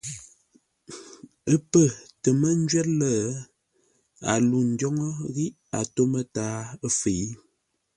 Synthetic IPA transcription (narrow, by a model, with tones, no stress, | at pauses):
ə˦pə˦˨tə˨mə˦n̩˦d͡ʒɥɛ˦t̚lə˦˨ | a̰˨lu˨n̩˨djɔ˦ŋɔ˦ɣi˦ʔ | a˨to˦mə˦taː˨˦ə˦fe˨i˦